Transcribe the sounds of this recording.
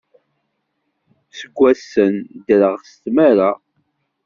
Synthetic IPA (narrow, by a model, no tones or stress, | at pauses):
səɡʷːæsːənd̪ɾəʁst̪maɾa